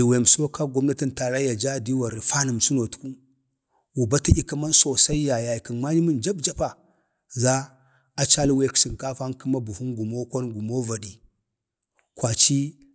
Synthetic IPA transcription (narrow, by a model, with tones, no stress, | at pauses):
i˨we˨so˦ka˦ɡo˦mna˦ti˦nta˨ɾa˦ja˨d͡ʒa˦˨di˦wa˨ɾi˨fa˦nə˨m˨su˦no˨tu̥˦ku˦ | wu˨ba˦ti˦i˦ki˦ma˦nso˨sa˦i˦ja˨ja˨i˨ki˨nma˦ɲi˦mə˦nd͡ʒa˦bd͡ʒa˦pa˨ | za˦ | a˨t͡ʃa˦li˦we˦ksi˨nka˦fa˦ki˦ma˦bu˨hu˦nɡu˨mo˦kʷa˦nɡu˨mo˦va˨di˨ | kwʷa˨t͡ʃi˦